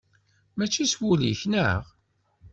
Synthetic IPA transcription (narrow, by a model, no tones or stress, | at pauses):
mæt͡ʃːiswulḭçnə̰ʁ